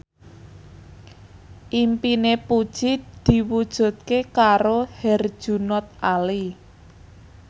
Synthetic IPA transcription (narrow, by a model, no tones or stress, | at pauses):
ʔimpinepud̥ʒ̥id̪̥i̤wud̥ʒ̥ṳt̪̚kekaɾohɛrd̥ʒ̥ṳnɔt̪̚ali